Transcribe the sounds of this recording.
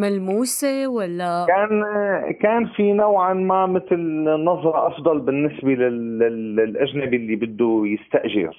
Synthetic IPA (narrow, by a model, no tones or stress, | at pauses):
malmuːsewalːakaːnkaːnfinawʕanmamɪt̪lnːɑðˤɾˤɑʔɑfd̪ˤɑlbɪnːɪsbelalllʔaʒnabʔɪlːibɪd̪ːujɪst̪aʔʒɪ̰ɾ